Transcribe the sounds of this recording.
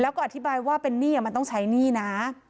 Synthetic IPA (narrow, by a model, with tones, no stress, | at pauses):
lɛː˦˥wkɔ˥˩ʔa˧t̪ʰi˦˥baː˧jwaː˥˩pe˧nːiː˥˩a˨˩ma˧nt̪ɔ˥˩t͡ɕʰa˦˥jniː˥˩na˦˥